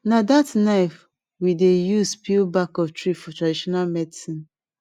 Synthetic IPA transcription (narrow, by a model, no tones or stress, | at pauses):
nadatnaɪf | widejuspʰilbakɔftɹifɔtɹadiʃɔnalmɛdisĩn